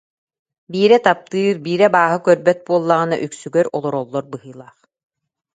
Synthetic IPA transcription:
biːɾɛt̪ap̚t̪ɯːɾbiːɾɛbaːɦɯkœɾbɛt̪̚buɔlˠːaʁɯna̰ʔyksyɡœɾɔlˠɔɾɔlˠːɔɾbɯɦɯːlˠaːχ

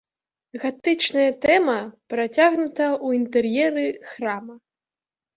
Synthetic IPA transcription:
ɣat̪ɨt͡ʂnɐjɐt̪ɛmɐpɾat͡sʲaɣnut̪ɐuint̪ɛrjɛɾɨxɾamɐ

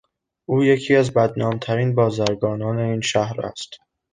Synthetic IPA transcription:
ʔuːje̞cʰiːæzbæd̪nɒːmt̪ʰæɾiːnbɒːzæɾɡɒːnɒːne̞iːnʃæhɾæ̰st̪

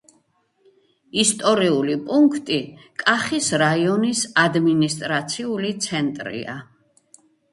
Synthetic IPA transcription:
ist̪ʼɔɾiulipʼuŋkʰt̪ʼikʼaχisɾaiɔnisad̪minist̪ʼɾat̪sʰiulit̪sʰɛnt̪ʼɾḭa̰

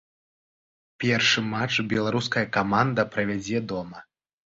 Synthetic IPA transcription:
pʲɛrʂɨmat͡ʂbʲɛlˠaɾuskɐjɐkamand̪ɐpɾɐvʲad͡zʲɛd̪ɔmɐ

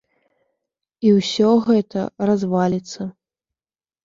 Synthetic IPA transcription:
iwsʲɔɣɛt̪ɐ̰razvalʲit̪sːɐ

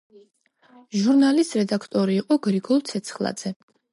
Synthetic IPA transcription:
ʒuɾnalist̪ɾɛd̪akʰt̪ʼɔɾiːqʼɔɡɾiɡɔlˠt̪sʰɛt̪sʰχlˠa̰d̪z̥ɛ

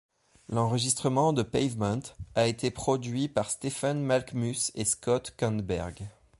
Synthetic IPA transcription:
lɑ̃ʁəʒist̪χəmɑ̃d̪əpɛjvmɑ̃t̪aet̪ʰepχɔd̪ɥipaʁst̪efanmalkmyseskɔt̪kɑ̃nt̪bɛ̰ʁɡ

